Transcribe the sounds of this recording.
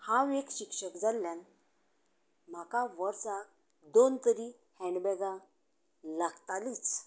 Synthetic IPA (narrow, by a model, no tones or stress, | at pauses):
hãʋekɕikʂəkd͡zaljan | m̤akaʋəɾsak̚ | d̪ont̪əɾi | hɛ̃ɳɖbɛɡã | laɡt̪alit͡s